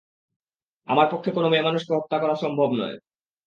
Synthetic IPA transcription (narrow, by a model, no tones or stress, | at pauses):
a̰maɾpokʰːekonomemanuʃkeɦɔk̚t̪ːakɔɾaʃɔmbʱobnɔ̰e